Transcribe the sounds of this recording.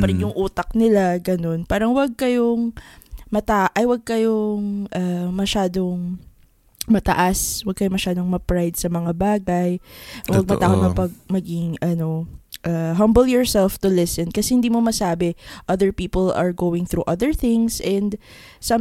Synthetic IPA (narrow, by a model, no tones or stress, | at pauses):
pɐɾɪnjʊŋʔuːt̪ɐk̚nɪlaɡɐno̞npaːɾɐŋwɐɡ̚kɐjoŋmɐt̪aʔʔɐjwɐɡ̚kɐjoŋʔamɐʃaːd̪oŋ | mɐt̪ɐʔaswɐɡ̚kɐjomɐʃaːd̪o̞ŋmɐpɹajd̪̚sɐmɐŋabaːɡɐjwɐɡ̚mɐt̪akomɐpɐɡ̚mɐɡɪŋʔɐno̞ʔaːɦɐ̃mbɛljɔɹsɛlft̪ʊlɪsɛnkɐsɛhɪnd̪iːmomɐsaːbɛʔɐðɛɹpiːpolɐ̰ɹɡoːwɪŋθɾuːʔɐðɛɹθɪŋsʔɛnd̪ | sɐm